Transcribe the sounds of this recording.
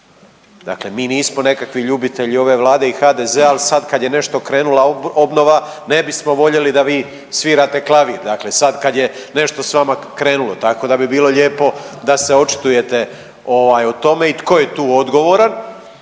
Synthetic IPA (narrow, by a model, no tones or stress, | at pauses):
d̪a̰kle̞miːniːsmo̞ne̞kakʋiʎubit̪e̞ʎio̞ʋe̞ʋlˠaːd̪e̞ixaːd̪e̞zeːalisad̪kad̪jene̞ʃt̪o̞kɾe̞ːnulao̞bno̞ʋane̞bismo̞ʋo̞ʎe̞lid̪aʋiː | sʋiːɾaːt̪e̞klˠaʋiɾd̪akle̞sad̪kad̪je̞ne̞ʃt̪o̞sʋamakɾe̞ːnulo̞t̪ako̞d̪abibiːlo̞ʎe̞ːpo̞d̪ase̞o̞t͡ʃi̥t̪uje̞t̪e̞ | o̞ʋaːjot̪o̞me̞it̪ko̞je̞t̪uːo̞d̪ɡo̞ʋo̞ɾan